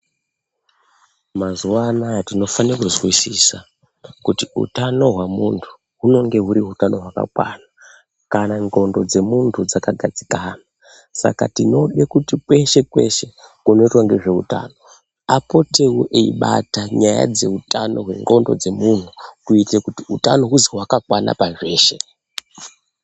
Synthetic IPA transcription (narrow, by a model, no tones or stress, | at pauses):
mazuwanatino̞fankuzwisisa | kutiṵtano̞ɦwamuntʰu̥ | ɦuno̞ŋɡe̞ɦuɾiɦutano̞ɦwaka̰kwa̰na | kanaŋɡo̞ndo̞d͡ze̞muntʰud͡zakaɡʱad͡zikaːna | sa̰ka̰tino̞ɗekutikwe̞ʃe̞kwe̞̰ʃe̞kuno̞itwaŋɡe̞ʐe̞uta̰ːno̞ | apo̞tʰe̞wuʔeḭɓa̰taɲaja̰d͡ze̞utano̞ɦwe̞ŋɡo̞ndo̞̰d͡ze̞mun̤ukuitekutiutano̞ɦuziɦwakakwana̰paʐe̞ːʃe̞̰